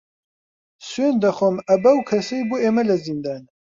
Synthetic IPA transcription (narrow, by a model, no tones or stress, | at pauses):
swend̪ɐxʷomɐbɐwkʰɐsɐjbueːmɐlɐzind̪aːn